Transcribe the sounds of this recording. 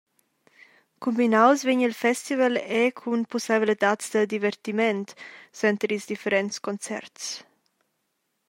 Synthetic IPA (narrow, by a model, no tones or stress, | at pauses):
kumbinawsveɲilfɛst̪ivəlɛkʰunposaβilit̪at̪sd̪əd̪ivəɾt̪imɛnt̪sɛnt̪ɾizd̪ifəɾɛnt̪skont͡sɛ̰ɾt̪s